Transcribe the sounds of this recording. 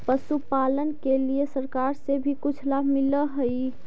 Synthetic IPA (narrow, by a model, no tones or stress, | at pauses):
pəsupalənkelijesəɾkaɾsebʱikut͡ʃʰlamiləɦəi